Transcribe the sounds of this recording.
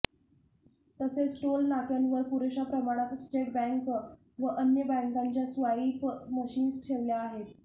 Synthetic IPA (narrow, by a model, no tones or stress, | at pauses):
t̪əsesʈolnakanʋəɾpuɾeɕapɾəmaɽ̃at̪sʈeʈ̚bɛ̃ŋk | ʋəʔənjəbɛ̃ŋkaɲt͡ɕjasʋajiːpməɕiːnsʈʰeʋljaːɦet̪